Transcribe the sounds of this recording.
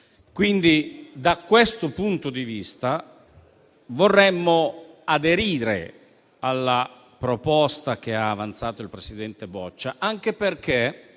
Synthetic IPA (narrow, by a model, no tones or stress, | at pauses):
kwind̪id̪akːwest̪opunt̪od̪ivist̪a | vorːɛmːoad̪eɾiːɾḛ | alːa | pɾopɔst̪ak̟eaːvant̪saːt̪oilpɾesid̪ɛnt̪ebɔt͡ʃːaʔaŋk̟eperke